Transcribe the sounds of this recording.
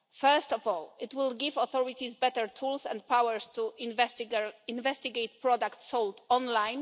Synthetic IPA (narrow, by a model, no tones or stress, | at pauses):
fɛɹst̪ɔvɔlɪt̪wɪlɡivɔθɔɹit̪izbɛt̪ɛɹt̪ʰulsɛ̰̃nt̪pawɛɹst̪uvɛsĩnvɛst̪iɡejt̪̚pɹɔd̪akt̪sɔld̪ɔ̃nlãjn